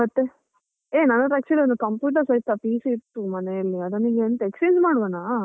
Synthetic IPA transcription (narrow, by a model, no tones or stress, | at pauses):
ɐt̪ːe | eːnɐnɐd̪ɾɐk̚t͡ʃːɐliond̪ukɐmpjuːʈ̬ɐɾsɐjt̪ːapiːsiit̪ːumɐnejɐlːiɐd̪ɐnːiɡeɐnt̪eekspensmaːɽʋanaː